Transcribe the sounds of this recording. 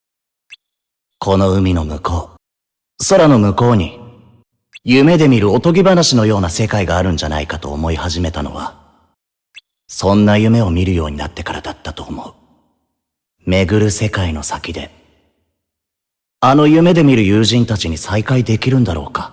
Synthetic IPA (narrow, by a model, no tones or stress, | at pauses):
kʰo̞no̞ɯ̟mʲino̞mɯ̟ko̞ː | so̞ɾano̞mɯ̟ko̞ːɲ̟i | jɯ̟me̞d̪e̞mʲiɾɯ̟o̞t̪o̞ɡʲibanaɕino̞jo̞ːnase̞kaiɡaːɾɯ̟̃ɲ̟d͡ʑana̰ikat̪o̞ːmo̞ihaʑime̞t̪ano̞̰βa̰ | sõ̞nːajɯ̟me̞o̞mʲiɾɯ̟jo̞ːɲ̟ina̰t̪ːe̞kaɾad̪at̪ːat̪o̞ːmo̞ɯ̟ | me̞ɡɯ̟ɾɯ̟se̞kaino̞sakʲid̪e̞̰ | ano̞jɯ̟me̞d̪e̞mʲiɾɯ̟jɯːʑĩnt̪at͡ɕiɲ̟isaikaid̪e̞kʲiɾɯ̟̃nd̪aɾo̞̰ːkḁ